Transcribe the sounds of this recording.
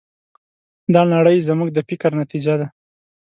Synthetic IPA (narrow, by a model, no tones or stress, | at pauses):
d̪ɑnaɽəjzəmuɡd̪əfɪkaɾnat̪id͡ʒad̪a